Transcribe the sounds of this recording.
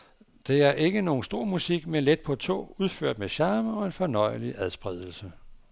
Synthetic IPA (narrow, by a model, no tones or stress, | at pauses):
d̥e̝æɐʔe̝ɡ̥əno̝ːn̩sd̥o̝ɐ̰musiɡ̥menled̥̚pʰɒ̽t͡sʰo̝̰ːuð̞ˠføɐd̥meɕɑːməɒ̽e̝nfɒ̽nɒ̽ɪliʔæðˠsb̥ʁɛð̞ˠl̩sə